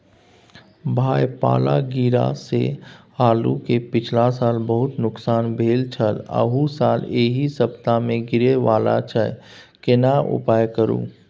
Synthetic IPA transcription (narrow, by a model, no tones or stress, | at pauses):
bʱaːjpa̰ːla̰ɡiːɾa̰sḛhaːlṵkepɪt͡ʃʰlasaːlbəɦʊt̪nʊksaːnbʱeːlt͡ʃʰələ̰ɦusaːleːɦisəbt̪amẽɡɪɾeʋaːla̰t͡ʃʰə | kenaʔʊ̰paːjkəɾṵ̃ː